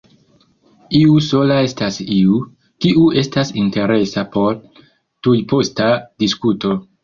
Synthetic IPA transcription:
iuso̞lae̞stasiu | kiʔue̞stasinte̞ɾe̞sapo̞ɾ | tujpo̞stadiskuto̞

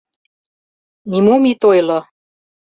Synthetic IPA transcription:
nimomit̪ojlɑ

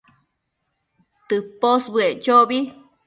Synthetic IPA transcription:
t̪ɨposbɨeʔt͡ʃobi

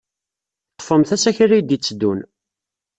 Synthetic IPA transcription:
t̪ːˤə̥fəmθæsæçrːijd̪jit͡sːd̪ːun

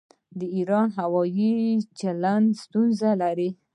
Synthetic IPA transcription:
d̪əiɾɑnɦawɑjit͡ʃaland̪st̪unzalaɾi

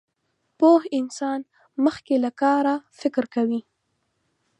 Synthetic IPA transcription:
pohɪnsɑn | məxkelakɑɾafɪkɾkawi

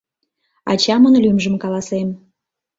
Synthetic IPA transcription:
ɑ̰t͡ɕɑmənlymʒə̆mkɑlɑsem

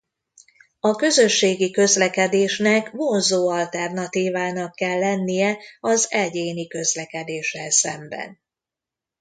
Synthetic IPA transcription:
ɒkø̞zø̞ʃːeːɡikø̞zlɛkɛd̪eːʃnɛkmonzoːɒlt̪ɛrnɒt̪iːvaːnɒkːɛlːɛnːijɛɒzɛɟeːnikø̞zlɛkɛd̪eːʃɛlsɛmbɛ̰n

